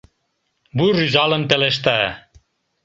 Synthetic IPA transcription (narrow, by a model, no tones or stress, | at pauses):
bujryzɑlə̆npeleʃ̬t̪æ